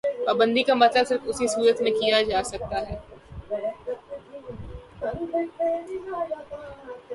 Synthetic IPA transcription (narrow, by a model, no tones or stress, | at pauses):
paːbə̃nd̪ikamɐt̪ləbsɪɾbʊsisuːɾət̪mẽkijad͡ʒaːsɐk̚t̪aɦɛː